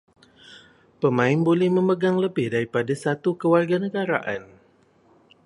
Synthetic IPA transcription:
pəmãɪnbolɛhməməɡaŋləbɪhdaɾipadasat̪ukəwarɡanəɡaɾaʔan

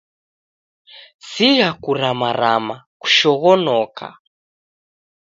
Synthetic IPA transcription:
sijakuɾamaɾama | ku̥ʃɔɣɔnɔkʰa̰

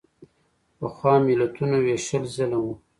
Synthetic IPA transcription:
pəxwɑmɪlat̪unaweʃəlzalawu

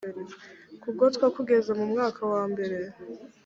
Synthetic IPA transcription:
ɾekuɡotwakuɡe̞zemumŋaːkʰawaːmbe̞ɾe̞

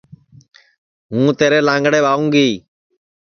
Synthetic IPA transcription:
ɦũːt̪eːɾeːlãːŋɡɽeːbaːũːŋɡiː

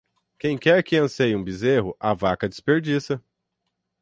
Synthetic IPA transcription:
kẽj̃kɛɾkɪɐ̃sejũbizeɦʊʔavakɐd͡ʒɪspeɾd͡ʒisɐ

